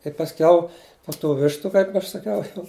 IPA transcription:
tɐɪ pɐsʲˈkʲɛʊ poː tuː ˈʋʲɪʃtʊ ˈkɐɪp ɐʃ sɐˈkʲɛʊ jɛʊ

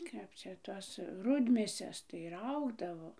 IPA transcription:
ˈkɐp t͡ʃʲɛ ˈtoːs ˈrʊdʲmʲeːsʲɛs tɐɪ ˈrɐʊɡdɐʋoː

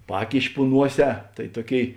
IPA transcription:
ˈpɑːkʲɪʃʲɪ pʊ ˈnuɔˌsʲɛː tɐɪ ˈtuɔˌkʲeːɪ

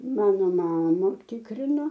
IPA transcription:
ˈmɑːnoː ˈmɑːmɐ ˈtʲɪkrʲɪnoː

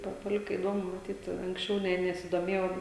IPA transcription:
ˈpɐ pɐˈlʲɪkɐ ɪˈdoːmʊ mɐˈtʲiːt ɐŋksʲˈt͡ʃʲɛʊ ˈnʲɛ nʲɛsʲɪˈdoːmʲeːjɛʊ

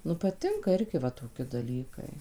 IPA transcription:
ˈnʊ pɐˈtʲɪŋkɐ ˈɪrʲɡʲɪ ʋɐ toːˈkʲɪ dɐˈlʲiːkɐɪ

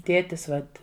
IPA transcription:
ˈtʲeːtʲɪs ˈʋɐt

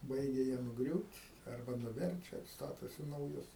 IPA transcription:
ˈbɐɪɡʲɛ jiɛ nʊˈɡrʲuːtʲ ɐrˈbɐ nʊˈʋʲɛrʲt͡ʃʲɛ ˈstɑːtoːsʲɪ nɐʊˈjʊs

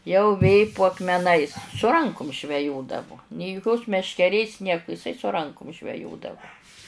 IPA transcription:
jɛʊ ˈʋʲeː pʊ ɐkmʲɛˈnɐɪs sʊ ˈrɐŋkʊm ʒʲʋʲɛˈjoːdɐʋʊ nʲeː jʊˈkʲoːs mʲɛʃʲkʲɛˈrʲeːs ˈnʲiɛkʊ ɪˈsɐɪ sʊ rɐŋkʊm ʒʲʋʲɛˈjoːdɐʋʊ

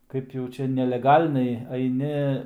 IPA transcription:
kɐɪp jɛʊ ˈt͡ʃʲɛ nʲɛlʲɛˈɡɐlʲnʲɛɪ ɐɪˈnʲɪ

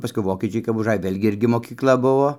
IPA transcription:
pɐˈskʊɪ ˈʋoːkʲiɛt͡ʃʲɛɪ kɐp ʊʒˈɐj ˈʋʲeːlʲɡʲɪ ˈɪrʲɡʲɪ moːkʲiːkˈlˠɐ ˈbʊʋoː

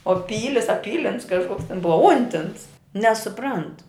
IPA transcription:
oː ˈpʲiːlʲɪs ɐ ˈpʲiːlʲɪns kɐʃˈkoːks tʲɛn ˈbʊʋɐ ˈʊnʲtʲɪns nʲɛsʊˈprɐnt

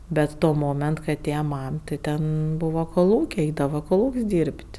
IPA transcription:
ˈbʲɛt ˈtoː ˈmoːmʲɛnt kɐɪ ɐˈtʲeːjɛ ˈmɐm tɐɪ ˈtʲɛn ˈbuːʋoː koːˈlˠuːkʲɛɪ ˈɛɪdɐʋɐ koːˈlˠuːkʲsʲ dʲiːrʲpʲtʲ

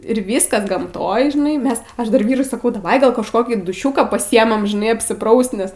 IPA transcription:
ɪr ˈʋʲiːskɐs ɡɐmˈtoːj ʒʲɪˈnɐɪ ˈmʲɛs ˈɐʃ dɐr ˈʋʲiːrʊɪ sɐˈkɐʊ dɐˈʋɐɪ ɡɐlˠ kɐʃˈkoːkʲiː dʊˈʃʲuːkɑː pɐˈsʲiɛmɐm ʒʲɪˈnɐɪ ɐpʲsʲɪˈprɐʊst nʲɛs

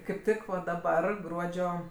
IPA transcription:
kɐɪp ˈtʲɪk dɐˈbɐr ˈɡruɔd͡ʒʲoː

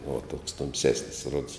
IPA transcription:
uɔ toːks tʊmʲˈsʲæːsʲnʲɪs roːts

